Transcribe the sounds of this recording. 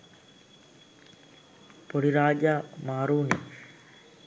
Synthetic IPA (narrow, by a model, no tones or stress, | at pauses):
poɽiɾaːd͡ʒaːmaːɾuːni